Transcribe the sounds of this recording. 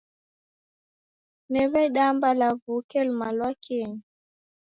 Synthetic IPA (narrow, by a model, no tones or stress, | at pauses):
nɛβɛɗambalavukɛlmalwakɛɲi